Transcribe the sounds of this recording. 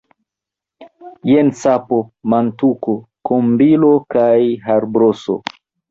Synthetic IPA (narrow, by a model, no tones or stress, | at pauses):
jensapo̞mantuko | kombilo̞kajɦaɾbɾoso̰